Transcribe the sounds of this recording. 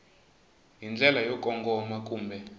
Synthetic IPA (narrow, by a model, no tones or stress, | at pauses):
jind͡ɮʱɛlajɔkʼɔŋɡɔmakʼuːmbʱɛ